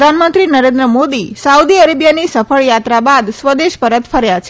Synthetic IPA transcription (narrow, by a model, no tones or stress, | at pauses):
d̪ʱanmənt̪ɾinəɾend̪ɾəmod̪isaud̪iəɾebjanisəfəɭjat̪ɾabad̪sʋəd̪eʃpəɾət̪fʰəɾjat͡ʃʰe